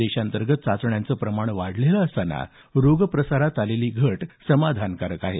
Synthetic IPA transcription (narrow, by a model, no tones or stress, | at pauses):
eɕant̪əɾɡət̪̚t͡sat͡sɳjant͡səpɾəmaɳ̃ʋaɽ̤leləəst̪ana̰ | ɾoɡpɾəsaɾat̪aleliːɡʱəʈsəmad̪ʱankaɾəkaɦe